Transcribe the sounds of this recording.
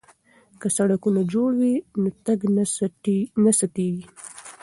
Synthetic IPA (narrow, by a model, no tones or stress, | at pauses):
kasaɽakunad͡ʒoɽwinot̪aɡ | nasat̪eɡi